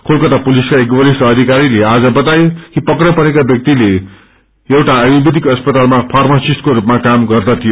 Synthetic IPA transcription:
kʰolkʌt̪apuliskaekbʌlisʌd̪ʱikaɾilead͡zʌbʌt̪ajokipʌkrʌpʌɾekabjʌk̚t̪ile | ewʈaːbibid̪ʱikʌspʌt̪almapʰarmʌsisʈkoɾupmakamɡʌrd̪ʌt̪ʰijo

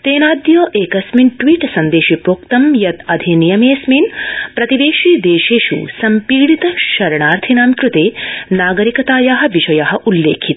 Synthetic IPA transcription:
t̪eːnaːd̪joːʔeːkɐsminʈʋiːʈsɐnd̪eːʃipɾoːkt̪ɐmjɐt̪ɐd̪ʱinijɐmeːsminpɾɐt̪iʋeːʃiːd̪eːʃeːʃṵsɐmpiːɽit̪ɐʃɐɾɐɳaːɾt̪ʰinaːmkɾut̪eːnaːɡɐɾikɐt̪aːjaːɦɐ̆ʋiʃɐjaːɦɐ̆ʔulːeːkʰit̪

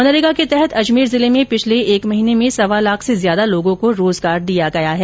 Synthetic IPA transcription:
mɐnəɾɪɡaket̪ɛɦɛt̪ʰɐd͡ʒmiːɾzɪlemẽpɪt͡ʃʰleeːkmɐɦiːnemẽsɐʋalaːkʰsezjaːd̪aloːɡõkoɾoːzɡaːɾd̪ijaɡɐjaɦɛː

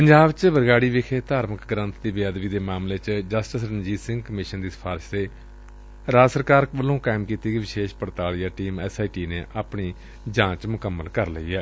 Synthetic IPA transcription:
pəɲd͡ʒaːbt͡ʃʋəɾɡaːɽiːʋɪkʰeːt̪aːɾməkɡɾə̃nt̪ʰd̪iːbjaːd̪ʋiːd̪eːmaːmleːt͡ʃd͡ʒəsʈəsɾənd͡ʒiːsɪ̃ŋɡkəmɪːʃənd̪iːsə̥pʰaːɾɪʃt̪eː | ɾaːsəɾkaːɾkbəlːõːkaːmkiːt̪iːɡiʋɪʃeːʃpəɽt̪aːɭijaːʈiːmɛːsaːiːʈiːneːʔaːpɳiː | d͡ʒãːt͡ʃmʊkəmːəlkəɾləḭːɛː

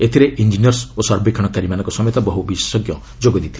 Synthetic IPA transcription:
et̪ʰiɾeʔind͡ʒiniɔɾsosɔɾbekʰaɽ̃ɔkaɾimanɔŋkɔsɔmet̪ɔbɔɦubise̥sɔɡjɔ | d͡ʒoɡɔd̪it̪ʰi̥

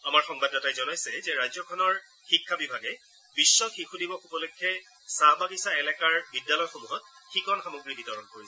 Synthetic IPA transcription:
amaɹxɔŋbadɔtajzɔnajsɛzɛɹajzɔkʰɔnɔɹ | xikʰːabibʱaɡɛ | b̥isːɔxixudibɔxubɔlokʰːɛ | sabaɡisaɛlɛkaɹbidːalɔjxomuɦɔt̚xikɔnxamoɡɹibitɔɹɔnkoɹisɛ

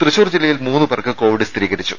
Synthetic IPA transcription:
t̪rɨɕoːrd͡ʑilːɐjilmuːnːɨpɐrkːɨko̞ːʋiɽɨst̪ɾiːɣɐɾit͡ɕːu̥̰

